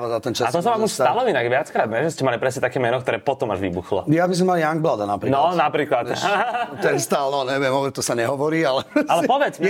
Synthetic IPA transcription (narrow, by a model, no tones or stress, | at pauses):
ʋɛd̪alt̪ɛnt͡ʃaat̪ɔsɔmakɔst̪alɔinaɡʋɪat͡skɾaːd̪nɛʒɛscɛmalipɾɛsɲɛt̪akɛːmɛnɔkt̪ɔɾɛːpɔt̪ɔmaʒʋḭbuxlɔ̰jabis̬ɔmaljaŋɡ̚blad̪anapɾinɔnapɾiːklat̪t̪ɛnst̪alnɔɲɛʋiɛmɔbɾɛt̪ɔsaɲɛɦɔʋɔɾiːalɛalɛpɔʋɛt͡s